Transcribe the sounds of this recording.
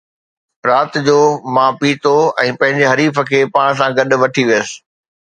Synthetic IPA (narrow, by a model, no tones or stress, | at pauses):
ɾaːt̪d͡ʑoːmãːpiːt̪oɛ̃ːpɐ̃ɦɪ̃ɲd͡ʑeɦɐɾiːfə̆kʰeːpaːɽ̃s̬ãɡɐɗ̆ʋɐʈʰiʋijəsɪ̥̆